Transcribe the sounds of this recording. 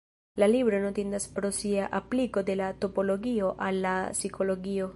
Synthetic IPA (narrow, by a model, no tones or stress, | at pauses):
lalibɾonot̪end̪aspɾo̞siaʔapliko̞d̪e̞lat̪o̞po̞lo̞ɡio̞ʔalːasikʰo̞loɡio̞